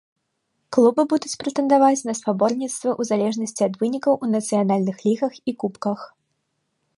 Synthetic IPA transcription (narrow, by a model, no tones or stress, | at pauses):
klˠubɨbud̪ut͡sʲpɾɐt̪ɛnd̪avat͡sʲnɐspabɔrnʲit̪st̪vɐʔuzalʲɛʐnɐsʲt͡sʲiɐd̪vɨnʲikɐwʔunɐt̪sɨjanalʲnɨxlʲiɣɐxikupkɐx